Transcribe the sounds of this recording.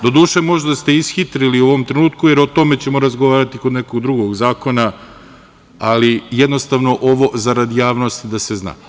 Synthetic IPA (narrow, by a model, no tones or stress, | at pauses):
d̪o̞d̪uːʃemo̞ʒd̪ast̪eisxit̪ɾiliuoʋomt̪ɾenuːt̪kujeɾot̪o̞me̞t͡ɕe̞mo̞ɾazɡoʋaːɾat̪ikod̪neko̞ɡd̪ɾuɡo̞ɡzaːko̞na | alijed̪no̞st̪aʋno̞ʔo̞ʋo̞zaɾad̪ijaːʋno̞st̪id̪asezna̰ː